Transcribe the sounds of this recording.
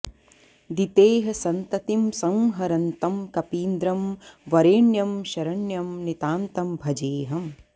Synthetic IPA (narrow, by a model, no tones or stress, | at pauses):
d̪it̪eːɦɐsɐnt̪ɐt̪imsɐ̃ŋɦɐɾɐnt̪ɐmkɐpiːnd̪ɾɐmʋɐɾeːɳjɐmʃɐɾɐɳjɐmnit̪aːnt̪ɐmbʱɐd͡ʒeːɦɐm